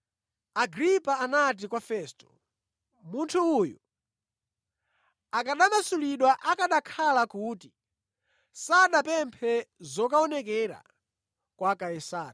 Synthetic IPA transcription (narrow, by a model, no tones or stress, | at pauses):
aɡɾipaːnat̬ikwafɛstɔ̥ | muntʰuːju | akaɗamasuliɗwaʔakaɗakʰalakuːti | saɗapɛmpʰɛzɔkaɔnɛk̬ɛɾa̰ | kwakajɛsaːɗa